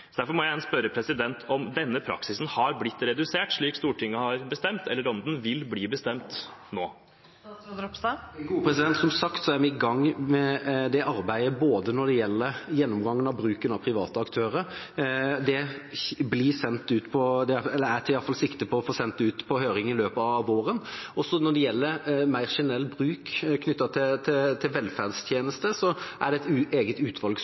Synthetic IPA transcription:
ɔd̪æɾfɔɾmɔjæjɛnspœɾəpʰɾɛsɪd̪ɛnt̪ʰɔmd̪ɛnːəpʰɾɑ̰ksɪsn̩hɑɾblɪt̪ːɾɛd̪ʉseːʈʂɭiːkst̪uːʈʰɪŋːəhɑɾbəst̪ɛmt̪ɛlːəɾɔnd̪n̩ʋɪlbliːbəst̪ɛmt̪noː | ɔpsɑɡuːəpʰɾɛsɪd̪ɛnt̪sɔmsɑkt̪sɔæɾʋɪɪɡɑŋːmɛd̪ɛʔɑɾbæɪəboːd̪ənɔɖɛjɛlːəɾjɛnːɔmɡɑŋːənɑʋbɾʉːkənɑpʰɾɪʋɑ̰ːt̪əɑkt̪ʰøːɾəɾ | d̪ɛblisɛnt̪ːʉːt̪pʰɔd̪ɛɛlːəæɾt̪ʰɪjɑlfɑlsɪkt̪əpʰɔɔfoːsɛnt̪ːʉːt̪pʰɔhøːɾɪŋɪløːpəɑɑʋoːɾənɔsːɔnɔɖɛjɛlːəɾmæɪɾʂɪnɛlːbɾʉːkkʰnʏt̪ːɑt̪ʰɪt̪ʰɪt̪ʰɪlʋɛlfæʁd̪st̪ʰjeːnəst̪əsɔʔæɖɛɛt̪ːeːɡət̪ʉːt̪ʰʋɑlɡ

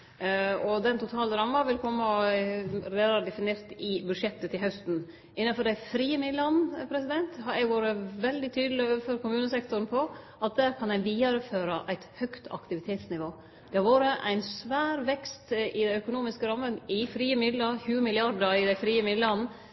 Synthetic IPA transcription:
ɔd̪ɛnt̪ʰʊt̪ʰɑːləɾɑmːɑʋɪlkʰɔmːə | ɾeːd̪ɑɾd̪ɛfɪneːɾt̪ɪbʉd̪ʂɛt̪ːət̪ʰɪlhœst̪n̩ | ɪnːɑnfɔɖæɪfɾiːəmɪlɑnpʰɾɛsɪd̪ɛnt̪hɑjɛɡʋoːɾəʋɛld̪ɪt̪ʰyːd̪lɪøːʋəføːɾkʊmʉːnəsɛkt̪ʊɾn̩pʰɔʔɑt̪̚d̪æːɾkʰɑnæɪʋiːɑɾəføːɾəʔæɪt̪hœkt̪ʰɑ̰kt̪ɪʋɪt̪ʰeːt̪snɪʋoː | d̪̥ɛhɑɾʋoːɾəʔæɪnsʋæːɾʋɛkst̪ɪd̪æœkʊnuːmɪskəɾɑmːənɪfɾiːəmɪd̪ləɾçʉːəmɪlɪɑɾdəɾɪd̪æɪfɾiːəmɪd̪lɑn̩

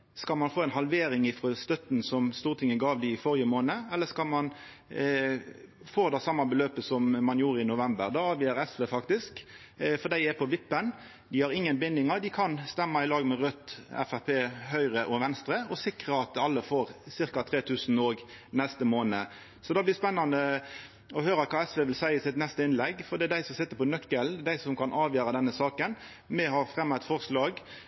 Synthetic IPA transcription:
skɑlmɑnfoːɛnɦɑlʋeːɾɪŋɪfʁɔst̪œt̪nsɔmst̪uːʁt̪ɪŋːəɡɑːʋd̪ɪɪfɔʁjəmoːnəɛlːəskɑlmɑn | foːd̪ɑsɑmːɑbəløːpəsɔmmɑnjuːɾəɪnʊʋɛmbəʁd̪ɑɑːʋɪːəɾɛsʋeːfɑkt̪ɪsk | fɔd̪æɪɛpʰɔʋɪpːən | d̪ɪhɑʁɪŋːənbɪnd̪ɪŋɑɾd̪ɪkʰɑnst̪ɛmːɑɪlɑːɡmɛʁœt̪ːɛ̰fæpʰeːɦœʏʁəʔɔʋɛnst̪ɾəɔsɪkʁəɑt̪̚d̪ɛɑlːəfoːʁsɪʁkɑt̪ʰʁeːt̪ʰʉːsn̩oːɡ | nɛst̪əmoːnə | sɔd̪ɑːblɪspɛnːɑnə | ɔhøːɾɑkʰɑːɛsʋeːʋɪlsæɪəsɪt̪nɛst̪əɪnlɛɡfɔd̪ɛːd̪æɪsɔmsɪt̪ːəpɔnœkːəld̪æɪsɔmkʰɑnʔɑːʋjøːɾɑd̪ɛnːəsɑːkən | mɛɦɑʁfʁɛmːɑt̪fɔʁslɑːɡ

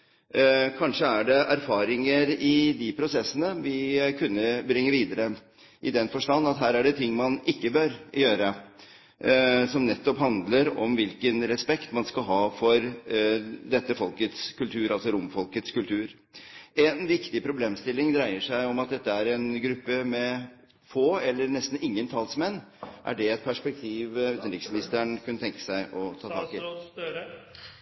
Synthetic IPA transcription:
kʰɑnʂəæɖɛʔæɾfɑːɾɪŋəɾɪd̪ɪpʰɾʊsɛsːənəʋɪkʰʉnːəbɾɪŋːəɾʋiːd̪əɾə | ʔɪd̪ɛnfɔʂʈɑnːɑt̪ɦæːɾæɖɛt̪ʰɪŋːmɑnɪkːəbœɾjøːɾə | sɔmnɛt̪ːɔpɦɑnd̪ləɾɔmʋɪlkənɾɛspɛkt̪mɑnskɑlɦɑːfɔɾ | d̪ɛt̪ːəfɔlkət̪skʉlt̪ʰʉːɾʔɑlsɔɾʊmfɔlkət̪skʉlt̪ʰʉːɾ | ɛnʋɪkt̪ɪpʰɾʊbleːmst̪ɪlːɪŋd̪ɾæɪəʂæɪɔmɑt̪̚d̪ɛt̪ːəæɾɛnɡɾʉpːəmɛ | foːɛlːəɾnɛst̪n̩ɪŋːənt̪ʰɑlsmɛnːʔæ̰ɖɛɛt̪̚pʰæʂpɛk̚t̪ʰiːʋʉːt̪nɾɪksmɪnɪst̪əɳkʰʉnːət̪ʰɛŋkə̥sæɪʔɔt̪ʰɑːt̪ʰɑːkɪ

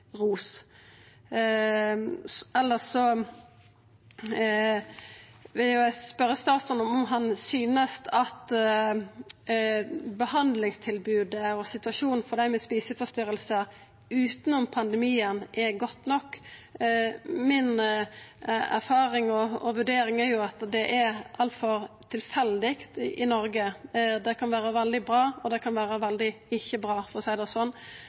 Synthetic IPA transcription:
ʁuːs | ɛlːəsɔ | ʋɪljʊæspœɾəst̪ɑːt̪st̪ɔnɔmɔmɦɑnsyːnəst̪ʰɑt̪ | bəhɑnd̪lɪŋst̪ʰɪlbʉːd̪əɔsɪt̪ʉʋɑʂuːnfɔd̪æɪmɛspiːsəfɔst̪ʏɾəlsəɾ | ʉːt̪nʊmpʰɑnd̪əmiːənʔɛɡɔt̪ːnɔkː | mɪn | æ̰ɾfɑːɾɪŋɔɔʋʉɖeːɾɪŋæɾjʊɑt̪d̪ɛʔɛʔɑlt̪fɔɾt̪ʰɪlfɛld̪ɪkt̪ʔɪnɔɾɡəd̪ɛkʰɑnʋæːɾəʋɛld̪ɪbɾɑːɔd̪ɛkʰɑnʋæːɾəʋɛld̪ɪɪçːəbɾɑːfɔsæɪd̪ɑsɔn

